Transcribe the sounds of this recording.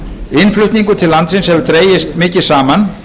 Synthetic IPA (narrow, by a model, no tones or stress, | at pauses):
ɪnflʏht̪niŋkʏt̪ʰɪllant̪sɪnshɛvʏt̪ɾeːjɪst̪mɪːcɪ̥saːman